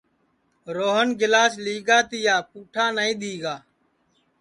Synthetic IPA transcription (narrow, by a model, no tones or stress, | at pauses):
ɾoːɦənɡɪlaːsliːɡaːt̪ɪjaːpuːʈʰaːnəĩːɗ̪iːɡaː